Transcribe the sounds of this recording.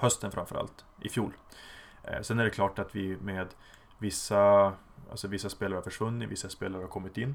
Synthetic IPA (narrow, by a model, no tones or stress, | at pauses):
hœst̪ənfɾamfœɾʔa̰lt̪ | ʔɪfjuːl | sɛnæɖɛkʰlɑːʈat̪vɪmeːd̪ | vɪsːa | ʔa̰lsɔvɪsːaspeːlaɾəhafœʂvɵnːɪvɪsːaspeːlaɾəhaɾkʰɔmːɪt̪ɪnː